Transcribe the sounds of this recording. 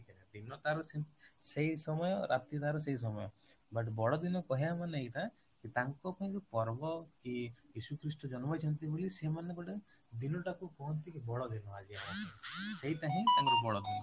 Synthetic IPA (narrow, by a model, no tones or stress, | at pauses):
t͡ʃɛad̪inɔt̪aɾɔsiseisɔmɔjɔ̰ɾʔat̪it̪aɾɔs̬eis̬ɔmɔjɔ | bɐʈbɔɭɔd̪inɔkɔɦijamaneiʈ̪a | kit̪aŋkɔpaɦĩd͡ʒopɔɾbɔkiisukɾisʈɔd͡ʒɔnmɔt͡ʃʰɔnt̪ibʱolisemanːekɔʈe | d̪inɔʈakukɔɦɔnt̪ikibɔɽɔd̪inɔad͡ʒia | seit̪aɦĩt̪aŋkɔbɔɭɔd̪inɔ